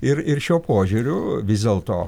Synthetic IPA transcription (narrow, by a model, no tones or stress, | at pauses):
ɪɾɪɾʃʲuːpoːʒʲʊːɾʲʊʋʲɪzʲd̪ʲeːlˠt̪oː